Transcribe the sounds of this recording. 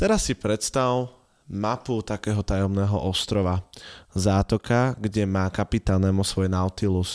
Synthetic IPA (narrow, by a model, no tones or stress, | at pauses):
t̪ɛɾasːipɾɛt̪st̪aʊl | maput̪akɛːɦɔt̪ajɔmnɛːɦɔ̰ʔɔst̪ɾɔʋazaːt̪ɔkaɡɟɛmaːkapit̪alnɛːmusʋɔjnaʊt̪ilus